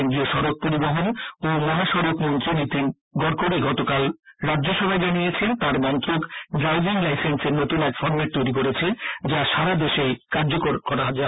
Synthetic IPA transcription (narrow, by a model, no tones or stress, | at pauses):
eŋɡɾioʃɔɾok̚poɾiboɦonomɔɦaʃɔɾokmont̪ɾinit̪in | ɡɔɾkoɾeɡɔt̪okalɾadːd͡ʑoʃɔbʱaed͡ʑanijet͡ɕʰent̪aɾmɔnt̪ɾokɖɾajbiŋlajsenseɾnot̪unɛkfɔɾmeʈ̚t̪ojɾikoɾet͡ɕʰed͡ʑaʃaɾad̪eʃejkaɾd͡ʑokoɾkɔɾaɦad͡ʑa